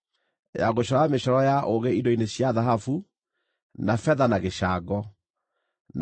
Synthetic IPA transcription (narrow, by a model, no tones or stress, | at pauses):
jaɣoɕɔɾɔameɕɔɾɔjaʔoɣeidɔineɕjaðaɦafu | nafɛðanaɣeʃaːɡɔ | n